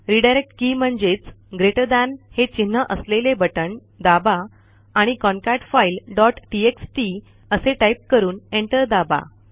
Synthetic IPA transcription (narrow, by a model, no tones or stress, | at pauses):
ɾiɖajɾek̚ʈkiːm̤əɳd͡ʑet͡s | ɡɾeʈəd̪anhet͡ɕinːəʔəslelebəʈəɳ | d̪abaː | ɽ̃ikɔnkaʈfailɖɔʈʈieksʈi | əseʈajp̚kəɾuːneɳʈəɾd̪aba̰